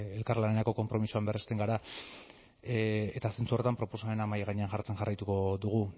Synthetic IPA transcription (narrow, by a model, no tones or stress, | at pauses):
e̞lkarlane̞ɾako̞ko̞mpɾo̞misuamberest̪e̞ŋɡaɾa | et̪ase̞nt͡suret̪ampɾo̞po̞same̞namajaɣaɲe̞anʝaɾt͡se̞nxarajt̪uko̞ðuɣ̞u